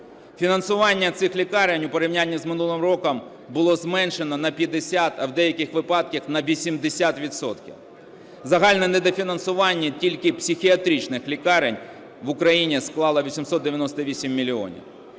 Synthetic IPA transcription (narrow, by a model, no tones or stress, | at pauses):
fʲinɐnsʊʋɑnʲːɐt̪sɪxlʲikɑɾenʲʊpeɾʲɪwnʲanʲːizmɪnulˠɪmrɔkɐm | bʊlˠɔzmɛnʃenɔnɐpʲjɐd̪esʲat̪ɐwd̪ɛjɐkɪxʋɪpɑd̪̚kʲixnɐʋʲisʲimd̪ɪsʲat̪ʋʲid̪sɔt̪kʲḭw | zɐɦɑlʲnɛnɛd̪efʲinɐnsʊʋɑnʲːitʲilʲkɪpsʲixʲiɐt̪ɾʲit͡ʃnɪxlʲikɑɾenʲ | ʋʊkɾɐjinʲisklˠɑlˠɐʋʲisʲimsɔt̪̚d̪ejɐnɔst̪ɐʋʲisʲimːʲilʲiɔ̰nʲḭw